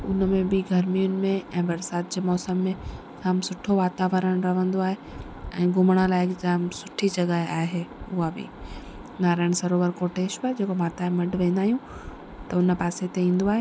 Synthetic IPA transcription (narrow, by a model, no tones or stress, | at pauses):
ʊnmẽbɪɡʱɐɾmijʊnɪ̆mẽɛ̃ːbɐɾsaːt̪̚d͡ʑeːmɔːsəmːẽ | kʰaːmsʊʈʰoʋaːt̪aːʋəɾəɽ̃ɾɐʋ̤ə̃nd̪oaːɦe | ɛ̃ːɡʱʊmɽ̃ə̃laːɪɪkd͡ʑaːmsʊʈʰid͡ʑɐɡəeaːɦeʊɦabɪ̰ | naːɾaːɪɽ̃sɐɾoːʋəɾkoːʈeːʃad͡ʑeːkomaːt̪aːemɐɖʋẽːn̆d̪aːɦijũ | t̪ɐʊnpaːset̪eĩːn̆d̪oaːɦe